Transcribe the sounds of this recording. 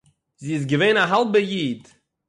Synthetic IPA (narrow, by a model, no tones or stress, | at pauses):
ziːɪs̬ɡəveɪnaɦalˠbəjiːd